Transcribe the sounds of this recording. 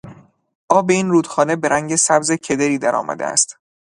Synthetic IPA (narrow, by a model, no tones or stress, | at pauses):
ʔɒːbe̞iːnruːd̪̥xɒːne̞be̞ɾæŋɟesæbzecʰe̞d̪eɾiːd̪æɾɒ̰ːmʔæ̰d̪ḛæ̰st̪